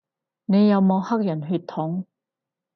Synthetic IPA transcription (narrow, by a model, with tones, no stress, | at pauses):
ne˨˧jɐ˨˧wmɔː˨˧whɐ˥k̚jɐ˨˩nɦyː˧t̪ʰːʊ˨˥ŋ